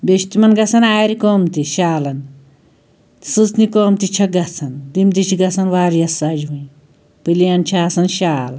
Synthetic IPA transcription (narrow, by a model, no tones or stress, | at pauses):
beʃt̪imɐnɡɐt͡sʰɐnaːɾikoːmt̪iʃaːlɐn | t̪sɨsnikoːmt̪it͡ʃʰɐɡɐt͡sʰɐnd̪imt̪it͡ʃʰiɡɐt͡sʰɐnʋaːɾjɐsːad͡ʒɦun | pɨlijant͡ʃʰiaːsɐnʃaːl